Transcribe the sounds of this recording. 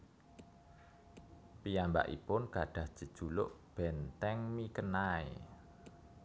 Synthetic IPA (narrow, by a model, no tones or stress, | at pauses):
pijamba̰ʔḭpʊnkaɖ̥a̤hd̥ʒ̥ə̤d̥ʒ̥ulʊ̰ʔb̥ɛnt̪ɛŋmikənaḛ